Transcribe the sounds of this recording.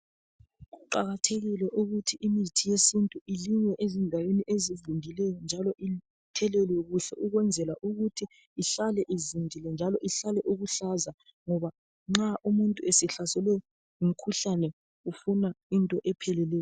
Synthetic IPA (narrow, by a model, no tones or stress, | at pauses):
ɣuǃa̰ɣatʰeɣilɛʔuɣutʰiʔimitʰijesintʼuʔiliŋwɛʔezindʱaweniʔezizindʱilɛjɔnd͡ʒʱalɔʔi | tʰɛlelijoɣuɬɛʔuɣwɛnd͡zʱɛlaʔuɣutʰiː | ɬalɛʔizindʱilɛnd͡ʒʱalɔʔiɬalɛʔuɣuɬaza | ŋɔβa | ŋ͡ǁaʔumuntʼuesɛɬasɛlɛjɔ | um̩kʰuɬanɛ | ufunaintʼɔʔɛpʰɛlɛlɛːjɔ